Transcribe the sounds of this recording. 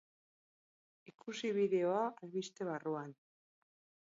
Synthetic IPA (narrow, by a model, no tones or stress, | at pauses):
ikusiβ̞iðe̞o̞aalβist̪e̞β̞aruan